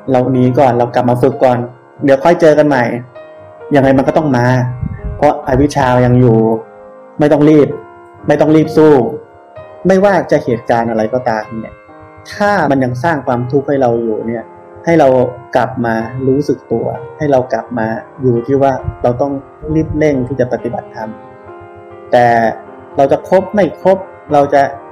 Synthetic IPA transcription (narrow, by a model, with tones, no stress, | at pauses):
la˧wniː˦˥kɔː˨˩nɾa˧wkla˨˩p̚maː˧fɯ˨˩kːɔː˨˩n | di˩˦wkʰɔ˥˩jt͡ɕɤː˧ka˧nma˨˩j | ja˧ŋːa˧jma˧nkɔː˥˩t̪ɔ˥˩ŋmaː˧pʰɔ˦˥ʔa˧wi˦˥t͡ɕʰaː˧ja˧ŋjuː˨˩ | ma˥˩jt̪ɔ˥˩ŋɾiː˥˩p̚ | ma˥˩jt̪ɔ˥˩ŋɾiː˥˩p̚suː˥˩ | ma˥˩jwaː˥˩t͡ɕa˨˩ʔheː˨˩t̪̚kaː˧nʔa˧ɾa˧jkɔː˨˩t̪aː˧mni˦˥˩ɐ | t̪ʰaː˥˩ma˧nja˧ŋs̬aː˥˩ŋkʰwaː˧mt̪ʰu˦˥k̚ha˥˩jɾa˧wjuː˨˩ni˥˩ɐ | ha˥˩jɾa˧wkla˨˩p̚maː˧ɾuː˦˥sɯ˨˩k̚t̪u˧ɐha˥˩jɾa˧wkla˨˩p̚maː˧juː˨˩t̪ʰiː˥˩waː˥˩ɾa˧wt̪ɔ˥˩ŋ | ɾiː˥˩p̚le˥˩ŋt̪ʰiː˥˩t͡ɕa˨˩pa˧˩t̪i˨˩ba˨˩t̪ʰːa˧m | t̪ɛː˨˩ | ɾa˧wt͡ɕa˨˩kʰo˦˥p̚ma˥˩jkʰo˦˥p̚ | ɾa˧wt͡ɕa˨˩